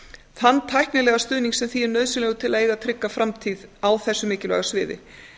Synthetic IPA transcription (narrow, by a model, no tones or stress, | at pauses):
θanːt̪ʰajhknɪlɛːɣast̪ʏːðniŋsɛmθiɛɾnœːðsɪlɛːɣʏt̪ʰɪlaejɣat̪ʰɾɪkːafɾamt̪ʰiðawθɛsːʏmɪːcɪlɛ̰ɣasvɪːðɪ̰